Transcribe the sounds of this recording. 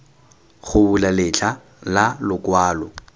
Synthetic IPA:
χʊbʊlalɪt͡ɬʰa | lalʊkwaːlɔ

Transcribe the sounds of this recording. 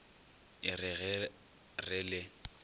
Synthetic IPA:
ɪrɪɣ | rɪlɪ

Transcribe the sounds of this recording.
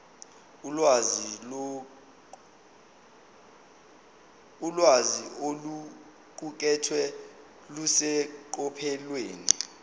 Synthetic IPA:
waz | ulwaziolu | k̬uk̬ɛtʰwɛ | lusɛǃ̬ʼɔpʰɛlweːni

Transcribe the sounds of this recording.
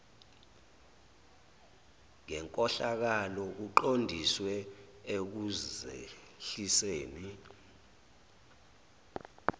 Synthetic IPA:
ŋɛŋkʼɔɬak̬alɔk̬uǃondʱiswɛ | ek̬uzḛ | ɬiseːni

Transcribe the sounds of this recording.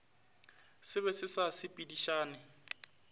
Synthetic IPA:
sɪβɛsɪsasɪpʼidiʃaːnɪ

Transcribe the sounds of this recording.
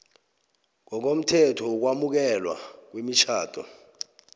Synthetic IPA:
ŋkɔk̬om̩tʰɛtʰɔuk̬wamuk̬ɛlwa̰k̬wimit͡ʃʰaːtʰʼɔ̰

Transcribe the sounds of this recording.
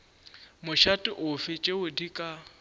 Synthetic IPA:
mʊʃatʼɪʔʊfɪt͡ʃʼeʊdikʼa

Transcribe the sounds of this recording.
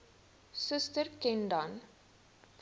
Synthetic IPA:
səstərkɛndɐn

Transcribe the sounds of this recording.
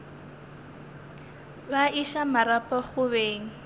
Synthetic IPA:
baʔiʃamaɾapɔχʊβeːŋ̩

